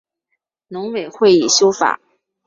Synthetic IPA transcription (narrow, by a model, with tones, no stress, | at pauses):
nʊ˧˥ŋwe˨˩ɪxwe˥˩ɪi˨˩ɕjo˥ʊfa̰˨˩˦